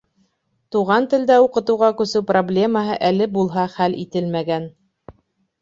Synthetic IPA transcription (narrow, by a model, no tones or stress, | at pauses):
t̪uʁɑnt̪ɘ̆ld̪æuqɤ̆t̪ɤ̆wʁɑkɵ̆sɵwproblʲe̞məɦɤʔælɘbulˠɦɑχælʔḭt̪ɘlmæɡæn